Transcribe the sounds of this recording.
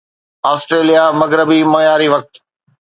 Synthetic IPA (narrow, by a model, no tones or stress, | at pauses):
aːsʈɾeːlijamɐɡɾəbimɐːjaːɾiʋɐk̚t̪